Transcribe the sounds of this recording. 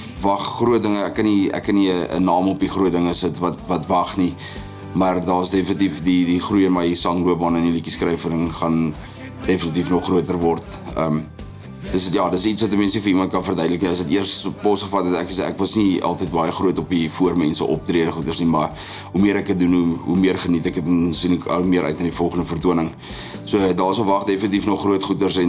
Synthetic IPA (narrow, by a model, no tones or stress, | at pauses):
vɐχːruət̚dəŋəækːɐniæ̰kːɐniəə̰nɑːmɔpiχruətdəŋəsətvɐtvɐtvɐχni | mɐrdɑːəsdefənitifdidiχrujənmɐjisɐŋluəpmɐnənilikiskrɛjfənəŋχɐn | defənit̬ifnɔχːruətərvɔrtəm | təstjɑːdətsitsvɐtəmɛnsifəimɐnt̚kɐnfərdœɥdələkniəs̬ətiərspɔsχəfɐtɛtæ̰kəsæ̰kvɐsniɑ̰lˠtəjt̚bɑjəχruətɔpifuərmɛnsəʔɔp̚triədəχutərsnimɐ | ɦumiəɾækət̚dunuumiərχənitækətnsinəkɐ̰lmiəɾʔœ̰ɥtnɑdifɔlˠχəndəfərtuənəŋ | suədɑːəsɔpvɐχdefənət̬ifnɔχːruətχutərsɛn